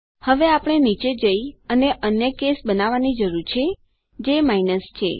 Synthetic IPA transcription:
həʋeapəɽ̃enit͡ʃed͡ʒəiəneʔənjəkesbənaʋanid͡ʒəɾuɾt͡ʃʰe | d͡ʒemainəst͡ʃʰḛ

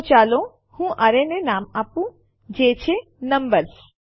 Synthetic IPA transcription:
t͡ʃaːlõ | hũːʔaɾenenaːmaːpũ | d͡ʒeːt͡ʃʰe | nəmbəɾs

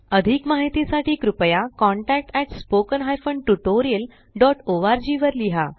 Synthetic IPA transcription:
əd̪ʱikmaɦit̪isaʈiːkɾupjakɔ̃ɳʈæk̚ʈɛʈspokənɦajfəɳɖ̚ʈuʈoɾiəl | ɖɔʈoʋaɾd͡ʑiʋəɾliɦa̰

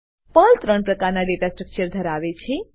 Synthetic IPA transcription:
pəlt̪ɾəɳpɾəkaɾnaɖeʈasʈɾək̚t͡ʃəɾd̪ʱəɾaʋet͡ʃʰe

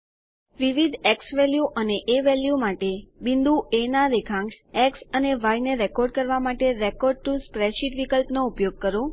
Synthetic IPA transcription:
ʋiʋid̪ɛksʋɛljuʔəneʔeʋɛljumaʈebind̪uʔenaɾekʰãŋsɛksəneʋajneɾekɔɾɖkəɾʋamaʈeɾekɔɾɖ̚ʈuspɾɛʃiʈʋikəlpnoupjoɡ̚kəɾo

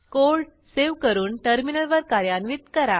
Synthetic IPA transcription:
kolɖ | seʋkəɾuːnʈəɾminəlʋəɾkaɾjanʋid̪kəɾa

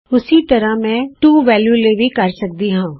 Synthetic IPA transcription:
ʊsit̪ɐɾamɛ̃ːʈuːʋɛːljuːleːʋʱikɐɾsɐk̚d̪iɦãː

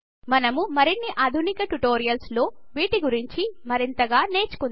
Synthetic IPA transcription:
mɐnɐmumɐɾinːiʔaːd̪ʱunikɐʈuʈo̞ːɾijɐlslo̞ː | ʋiːʈiɡuɾiɲt͡ʃimɐɾint̪ɐɡaːne̞ːt͡ʃu̥kun

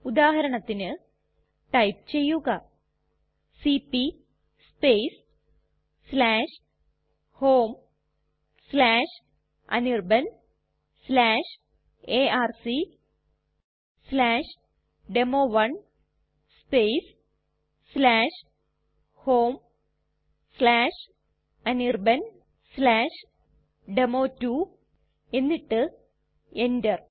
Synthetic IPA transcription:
ud̪aːɦɐɾɐɳɐt̪ːinɨ | ʈɐjp̚t͡ɕejuɡa | sipi | spesː | laːʂ | hoːm | slaːʂ | ɐ̰niɾbɐn | slaːʂ | eaːɾsi | slaːʂ | ɖemoːʋɐɳ | spejs | slaːʂ | hoːm | slaːʂ | ɐnirbɐn | slaːʂ | ɖemoːtːu | e̞nːiʈːɨ | endɐr

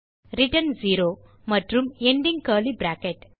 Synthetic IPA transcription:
ɾiʈənd͡ziɾo | məʈɾumeɳɖiŋɡkəlibɾakeʈ

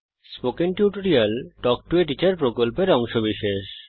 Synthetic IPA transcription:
spokiŋʈjuʈoɾialʈɔk̚ʈueʈ̬it͡ɕaɾpɾokolpeɾɔŋʃobiʃeʃ

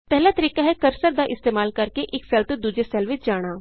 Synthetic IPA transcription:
pɛɦlat̪ɐɾiːkaɦɛkɐɾsəɾd̪aʔɪst̪eːmaːlkɐɾkeʔɪkfɛlt̪d̪uːd͡ʒesɛːlʋɪt͡ʃd͡ʒaːɽ̃aː

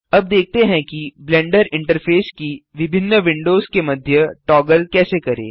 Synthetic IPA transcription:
ɐb̚d̪eːk̚t̪eɦɛ̃kiblɛ̃ːɳɖəɾɪ̃ɳʈəɾfʰeːskiʋɪbʱɪnːəʋɪ̃ɳɖoːzkemɐd̪ʱjəʈɔːɡəlkɛːsekɐɾḛː

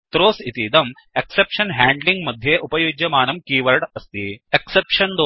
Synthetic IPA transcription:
t̪ɾoːsit̪id̪ɐm | eksepʂɐnɦæːɳɖliŋɡmɐd̪ʱjeːʔupɐjuːd͡ʒjɐmaːnɐmkiːʋɐʈɐst̪ieksepʂɐnd̪o

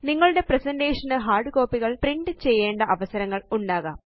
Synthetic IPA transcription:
niŋːɐɭuɽe̞presɐnɖeːʂɐnɨɦaːrɖɨko̞ːpːiɣɐɭpriɳɖɨt͡ɕe̞jːe̞ːɳɖɐʔɐʋɐsɐɾɐŋːɐɭuɳɖaːɣaːm

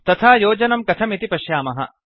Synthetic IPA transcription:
t̪ɐt̪ʰaːjoːd͡ʒɐnɐmkɐt̪ʰɐmit̪ipɐʃjaːmɐɦɐ̰

